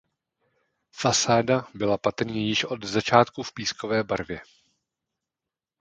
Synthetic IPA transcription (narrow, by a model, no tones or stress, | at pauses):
fasaːdabɪlapat̪ɾ̩ɲɛjɪʃʔo̞d̪zat͡ʃaːt̪kufpiːsko̞vɛːbaɾvjɛ